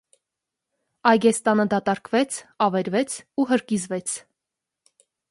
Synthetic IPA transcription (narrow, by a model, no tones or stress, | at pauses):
ɑjɡɛst̪ɑnəd̪ɑt̪ɑɾkvɛt͡sʰɑvɛɾvɛt͡sʰuɦəɾkizvɛt͡sʰ